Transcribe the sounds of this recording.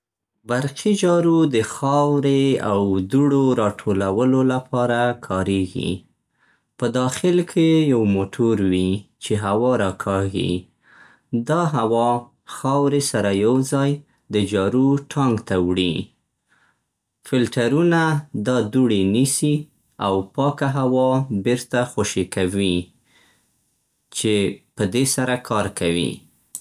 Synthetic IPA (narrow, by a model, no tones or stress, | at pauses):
baɾqid͡ʒɑɾud̪əxɑwɾeawd̪uɽoɾɑʈʰolawəlolapʰɑɾakʰɑɾeɡḭ | pəd̪ɑxɪlkʰejawmoʈʰoɾwit͡ʃeɦawɑɾɑkʰɑɡḭ | d̪ɑɦawɑ | xɑwɾesaɾajawzɑj | d̪əd͡ʒɑɾuʈʰɑŋɡt̪awɽi | fɪlʈaɾunad̪ɑd̪uɽinisi | awpɑkaɦawɑbeɾt̪axoʃikawi | t͡ʃepəd̪esaɾakʰɑɾkawḭ